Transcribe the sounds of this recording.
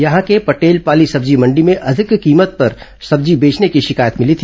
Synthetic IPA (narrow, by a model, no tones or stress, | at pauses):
jɐɦãkepɐʈeːlpaːlisɐbd͡ʒimɐ̃ɳɖimẽʔɐd̪ʱɪkːiːmət̪̚pɐɾsɐbd͡ʒibeːt͡ʃnekiʃɪkaːjət̪mɪlit̪ʰi